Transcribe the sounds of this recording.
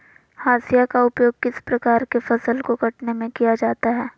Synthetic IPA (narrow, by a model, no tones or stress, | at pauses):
haːsijakaʊpjoːɡ̚kɪspɾɐkaːɾkefɐsəlkokɐʈnemẽkijad͡ʒaːt̪aɦɛː